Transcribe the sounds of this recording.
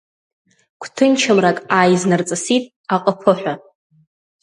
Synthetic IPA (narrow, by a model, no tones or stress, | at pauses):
kʷʰtʰɨnt͡ʃʰamrakʼajznart͡sʼasitʼ | aqʼəpʰɨħʷᶣa